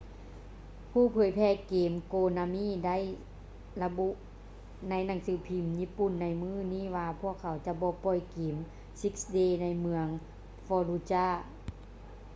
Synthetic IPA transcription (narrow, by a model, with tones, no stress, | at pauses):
pʰuː˧˩˨pʰɯː˨˩˦jpʰɛː˧˩keː˨˦mkoː˧na˧miː˧˥˨da˥˨j | la˧bu˧ʔ | na˧˥˨jna˧˩˦ŋsɯː˨˦pʰi˧˩mjiː˧˥˨pu˧˩˨nːa˧˩jmɯː˧˥˩niː˧˥˨ʋaː˧pʰu˧˥˩əkʰːa˨˦wt͡ɕa˧˦bɔː˧˦pɔ˧˩˨jkeː˨˦m | si˧˦k̚sdeː˧na˧jmɯ˧əŋ | fɔː˧lu˧t͡ɕaː˧˥˩